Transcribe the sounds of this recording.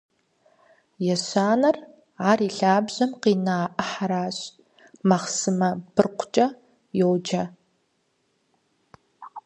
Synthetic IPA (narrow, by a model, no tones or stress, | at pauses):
jɛɕaːnɐr | aːriːɬaːbʑɐmqiːnaːʔɨħaɾaːɕ | mɐχsɨmɐb̥ɨrqʷʰt͡ʃʼɐ | jowd͡ʒɐ